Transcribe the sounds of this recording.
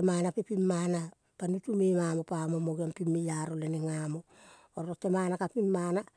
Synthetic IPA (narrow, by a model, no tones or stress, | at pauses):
manapepimːana | panutumemamo̞pamo̞moɡiampimːejaɾoleneŋamo̞ | oɾɾotːemanakapinːana